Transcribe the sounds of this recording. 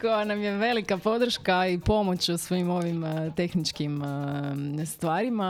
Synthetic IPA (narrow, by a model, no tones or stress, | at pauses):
ko̞janamje̞ʋe̞likapo̞d̪ɾ̩ʃkaipo̞mo̞t͡ɕusʋojimo̞ʋimt̪e̞xnit͡ʃkim | st̪ʋaːɾima